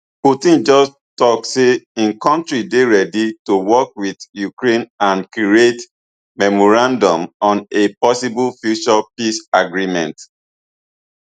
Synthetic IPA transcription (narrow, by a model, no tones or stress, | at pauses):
putĩnd͡ʒɔs | tɔkseĩnkɔ̃ntɹideɹɛditowɔkwiðjukɹẽnãnkiet | mɛmɔɹãndɔ̃mɔ̃nepɔsiblfjut͡ʃɔpisaɡɹimɛ̰̃nt